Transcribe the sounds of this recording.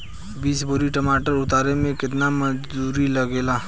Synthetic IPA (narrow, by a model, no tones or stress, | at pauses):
biːsboːɾiʈɐmaːʈəɾʊt̪aːɾemẽkɪt̪namɐd͡ʒd̪uːɾilɐɡeːlaː